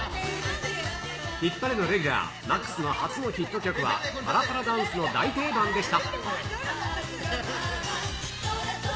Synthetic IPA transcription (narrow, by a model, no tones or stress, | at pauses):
çʲipːaɾʲino̞ɾe̞ɡʲyɾa̰ː | makːɯ̟̥sɨno̞hat͡sɨno̞çit̪ːo̞kʲo̞kɯ̟βa̰paɾapaɾad̪ãɰ̃sɨno̞d̪ait̪e̞ːbãnd̪e̞ɕi̥t̪a